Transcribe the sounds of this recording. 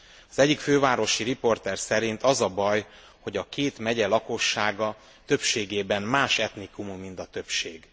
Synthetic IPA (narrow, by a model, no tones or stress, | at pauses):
ɒzɛɟːikføːvaːɾo̞ʃiɾipo̞rt̪ɛrsɛɾint̪ɒzɒbɒj | ho̞ɟɒkeːt̪mɛɟɛlɒko̞ʃːaːɡɒ | t̪ø̞pʃeːɡeːbɛnmaːʃɛt̪nikumumːint̪ɒt̪ø̞pʃeːɡ